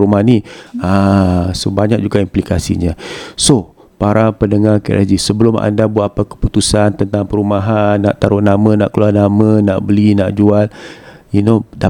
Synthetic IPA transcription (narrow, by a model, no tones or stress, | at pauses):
ɾumaniasəbaɲak̚d͡ʒuɡaimplikasḭɲãso | paɾʔapəndəŋaka̰ʔad͡ʒisəbəlʊma̰ndabuat̪apakə̥put̪usant̪ənt̪aŋpəɾumaɦanːaʔt̪aɾʊnamə̃na̰ʔkəluarnamə̃naʔbəlinaʔd͡ʒualinoda